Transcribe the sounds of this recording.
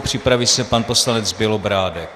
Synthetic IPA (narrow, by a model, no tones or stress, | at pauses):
pr̝̥ɪpɾavisɛpanposlanɛt͡sbɪlobɾaːdɛk̚